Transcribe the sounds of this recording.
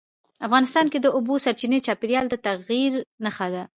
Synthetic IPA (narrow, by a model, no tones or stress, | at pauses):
afɣɑnɪst̪ɑnked̪əʔʊbosaɾt͡ʃinet͡ʃɑpeɾjɑld̪ət̪aɣiɾnaxad̪a